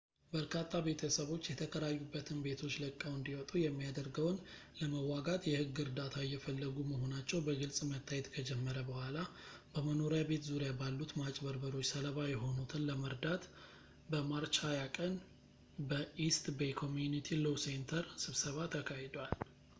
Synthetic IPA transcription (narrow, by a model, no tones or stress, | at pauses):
bəɾkʰat̪ʰːabe̞t̪ʰəsəβo̞t͡ʃːjɛt̪ʰəkʰəɾajːubːət̪ʰɨnbe̞t̪ʰo̞t͡ʃːləkʼːawɨnd̪iwɔt̪ʼujɛmːijad̪əɾɡəwn | ləməwːaɡat̪jɛhɨɡːɨɾd̪at̪ʰajɛfəlːəɡuməho̞nat͡ʃːɛwbəɡɨlsʼmət̪ʰːajɛt̪kʰəd͡ʒɛmːəɾəbəhʷalabəməno̞ɾjabe̞t̪zuɾjabalːut̪mat͡ʃʼbəɾbəɾo̞t͡ʃːsələβajɛɦo̞nut̪ʰɨnləməɾd̪at̪ | bəmaɾt͡ʃʰajakʼən | bəʔist̪ʼbejkʰo̞mjunit̪ʰilowsent̪ʰəɾsɨβsəβat̪ʰːəkʰahed̪wal